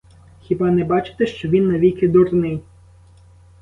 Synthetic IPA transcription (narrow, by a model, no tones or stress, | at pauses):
xʲibɑnɛbɑt͡ʃɪ̥t̪ɛʃt͡ʃɔʋʲinːɐʋʲikɪd̪ɔrnɪj